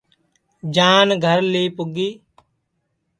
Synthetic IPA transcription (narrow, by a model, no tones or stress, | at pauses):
d͡ʒaːnɡʱəɾliːpʊɡiː